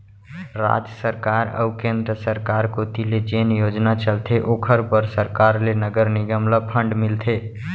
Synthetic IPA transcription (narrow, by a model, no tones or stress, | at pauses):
ɾa̰d͡ʒəsəɾkaːɾə̰ʊkẽnd̪ɾəsəɾkaɾkot̪iled͡ʒenjoːd͡ʒnat͡ʃəlt̪ʰeʔoːkʰəɾpəɾsəɾkaːɾlenəɡəɾnɪɡəmləpʰə̃ɳɖmɪlt̪ʰe